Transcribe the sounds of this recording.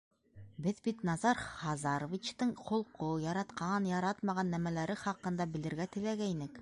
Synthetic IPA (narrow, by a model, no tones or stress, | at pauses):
bɘðbit̪nɑzɑɾχɑzɑɾŏvʲit͡ɕt̪ɤɴqʰŏlˠqʰojɑɾɑt̪qɑnjɑɾɑt̪mɑʁɑnːæmælæɾɘχɑqɤ̆nd̪ɑbɘ̆ld̪ɘ̆ɾɡæt̪ɘ̆læɡæinɘk